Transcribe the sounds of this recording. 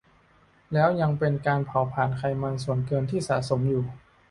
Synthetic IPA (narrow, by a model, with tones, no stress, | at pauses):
lɛː˦˥wja˧ŋpe˧nkaː˧npʰa˨˩˦wpʰaː˨˩nkʰa˧jma˧nsu˨˩ənkɤː˧nt̪ʰiː˥˩sa̰ː˩˦so˩˦mjuː˨˩